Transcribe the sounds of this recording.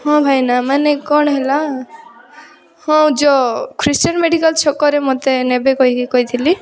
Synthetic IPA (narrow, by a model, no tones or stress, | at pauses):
hɔ̃bʱajnamanekɔɳ̃ɦela | hɔ̃d͡ʒɔkʰɾisʈɔnmeɽikalt͡ʃʰɔkːɔɾemot̪enebekɔɦikikɔɦit̪ʰili